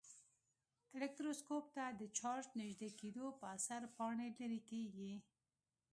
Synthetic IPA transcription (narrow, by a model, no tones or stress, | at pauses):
ɪlek̚t̪ɾoskop̚t̪ad̪ət͡ʃɑɾd͡ʒnɪʒd̪eked̪opəasaɾpɑɳelaɾikeɡi